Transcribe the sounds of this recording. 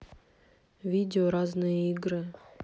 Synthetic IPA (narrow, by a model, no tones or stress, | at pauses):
vʲidʲɪoɾɑznɨjəiɡɾɨ